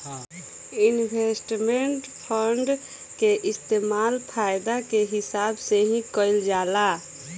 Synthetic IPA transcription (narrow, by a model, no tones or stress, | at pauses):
inbʱesʈmeɳʈpʰəɳɖ | keʔɪst̪emalpʰajd̪akeɦɪsaːbseɦĩkəɪld͡ʒala